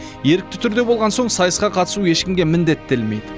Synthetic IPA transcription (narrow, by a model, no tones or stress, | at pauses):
je̞ɾɪk̚t̪ɪ̥t̪ʰʏɾd̪e̞bolˠʁɑnso̞ɴsɑjəsqɑqʰɑt̪ə̥sujeʃkʲɪmɡʲe̞mɪnd̪e̞t̪ːelme̞jd̪ɪ